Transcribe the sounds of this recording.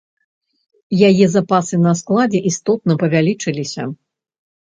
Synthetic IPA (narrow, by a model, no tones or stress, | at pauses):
jajɛzapasɨnɐsklˠad͡zʲɛʔist̪ɔt̪̚nɐpɐvʲalʲit͡ʂɨlʲisʲɐ̰